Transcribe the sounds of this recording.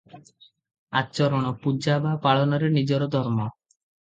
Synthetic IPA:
a̰t͡ʃɔɾɔɽ̃ɔpud͡ʒabapaɭɔnɔɾenid͡ʒɔɾɔd̪ʱɔɾmɔ

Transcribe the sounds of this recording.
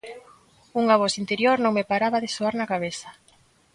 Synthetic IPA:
uŋaβɔsint̪eɾjoɾnõŋmepaɾaβaðesoaɾnakaβ̞eθa

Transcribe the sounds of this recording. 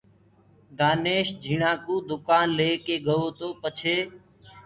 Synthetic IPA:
d̪aːneːʃd͡ʒʱiːɳãːkuːd̪ʊkaːnleːkeːɠəoːt̪oːpət͡ʃʰeː

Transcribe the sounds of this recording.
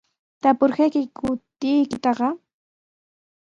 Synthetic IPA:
t̪apʊɾhajkɪkʊt̪ɪjkɪt̪ɑɢɑ

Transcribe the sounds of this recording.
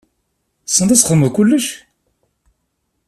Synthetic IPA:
sːənd̪æsχəmːəðkʊlːəʃ

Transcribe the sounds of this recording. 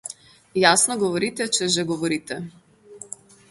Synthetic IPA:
jasnɔɡɔvɔɾit̪ɛt͡ʃɛʒɛɡɔvɔɾit̪ɛ

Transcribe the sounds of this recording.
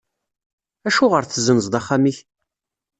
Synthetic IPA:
æʃuʁəɾθəzənəzd̪ˤɑχːamiç

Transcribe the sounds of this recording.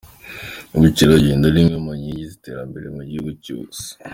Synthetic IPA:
uβuciɾaɟiːndalimŋemaɲiɲɟizite̞ːɾambe̞ɾemoɟiβuco̰z̥i̥

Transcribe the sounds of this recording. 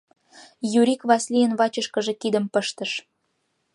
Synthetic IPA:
juɾʲikβɑslijənβɑt͡ɕəʃkəʒekid̪əmpəʃt̪ə̆ʃ

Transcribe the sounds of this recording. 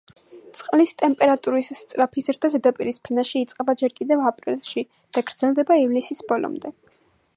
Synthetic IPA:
t̪sʼqʼlist̪ʼɛmpʼɛɾat̪ʼuɾisst̪sʼɾapʰisɾd̪azɛd̪apʼiɾispʰɛnaʃiːt̪sʼqʼɛbad͡ʒɛɾkʼid̪ɛvapʼɾḭlˠʃi | d̪̥aɡɾd̪zɛlˠd̪ɛbaivlisisbɔlɔ̰md̪ɛ

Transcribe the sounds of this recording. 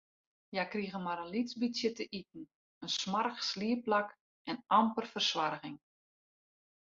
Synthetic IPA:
jakriəɣənmaɾənlisbitjətəʔit̚n̩ | ənsmarxsliəplak | ʔɛnʔɑmpərfərsʋarɣɪŋ

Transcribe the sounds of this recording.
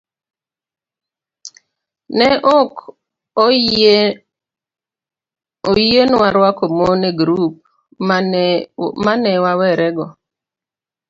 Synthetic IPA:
nɛʔɔk | oenwaɾwakomoneɡɾup̚ | manɛwawɛɾɛɡɔ

